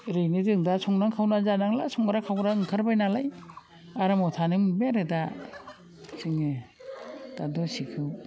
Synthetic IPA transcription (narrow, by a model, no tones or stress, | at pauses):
ɾɯjnɯdɯŋdasɔŋnaŋkʰawnazanaŋla̰sɔŋaɾakʰawɾaɯŋkʰaɾbajnalaj | aɾamɔtʰanɯŋbeɾɯda | siŋɯ | d̥adɔsikʰɯw